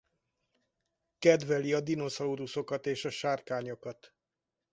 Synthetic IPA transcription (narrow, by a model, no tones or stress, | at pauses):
kɛd̪vɛliɒd̪ino̞zɒuɾuso̞kɒt̪eːʃɒʃaːrkaːɲo̞kɒt̪